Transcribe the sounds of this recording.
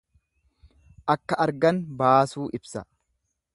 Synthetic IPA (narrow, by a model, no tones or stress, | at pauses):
ʔɐkːɐʔɐɾɡɐnbaːsuːʔɪbsɐ